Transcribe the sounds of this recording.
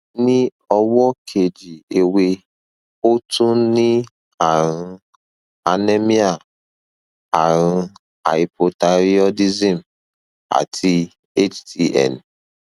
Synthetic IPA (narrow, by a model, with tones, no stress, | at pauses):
ni˦ | ɔ˦wɔ˦kʰe˨d͡ʒi˨e˨we˦ | o˦tu˦nɪ˦ | a˨ɾʊ˦ | a˨ne˦mi˦a˨ | a˨ɾʊ˦ | a̰˨i˨po˨ta˨ɾi˦ɔ˦di˦zi˨m̩˨ | a̰˨tʰi˦ | e˦t͡ʃti˦ɛ̰˦˨n˨